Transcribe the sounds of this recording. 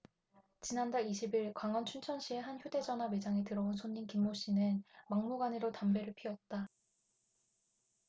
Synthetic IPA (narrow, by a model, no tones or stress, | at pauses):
t͡ɕinandaɭiɕʰibiɭkwaŋwʌnt͡ɕʰunt͡ɕʰʌnɕ͈ʰie̞ɦançjode̞d͡ʑʌname̞d͡ʑaŋetɯɾʌonsʰoɲːinkimːoɕ͈inɯnmaŋmuɡanɯɾotambe̞ɾɯɭpʰiʌt̚t͈a